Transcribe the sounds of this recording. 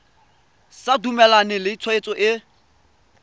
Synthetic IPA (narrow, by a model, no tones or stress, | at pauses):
sadumɛlanɪlɪit͡sʰɔet͡sʼɔʔɪ